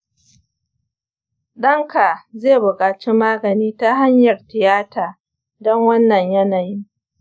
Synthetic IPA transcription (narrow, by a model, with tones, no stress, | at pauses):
ɗɐ˦ŋka˨zeː˦˨bʊ˨kʼaː˨t͡ʃi˦maː˦ɡɐ˨niː˦ta˦ɦa˦ɲjɐ˨rtɪ˨jaː˦taː˨ | dɔ˦ŋwɐ˦nːɐ˨ɲjɐ˦naː˨ji˦